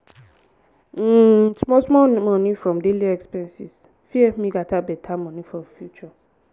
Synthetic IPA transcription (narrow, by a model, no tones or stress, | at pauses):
tʰumɔ̃smɔ̃nmɔ̃nĩfɾɔ̃mdeliɛkspɛ̃nsḭs | fiɛmĩɡatʰabɛtʰamɔ̃nĩfɾɔ̃fjut͡ʃɔ